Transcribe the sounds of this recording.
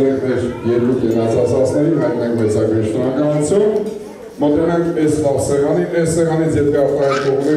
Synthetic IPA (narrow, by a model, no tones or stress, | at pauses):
nɛŋkʰmɛɾjɛɾkuk̪ɛnɑt͡sʰɑt͡sʰɑt͡snɛɾivɾɑnɛŋkʰmɛt͡sɑɡɾiʃʰnɔɾɑkɑnut͡sʰjum | mənt̪unɛŋkʰɛsfɑʁsɛʁɑniɛssɛʁɑnit͡sʰjɛt̪ʰɛɑft̪ɑinkɔʁnɛ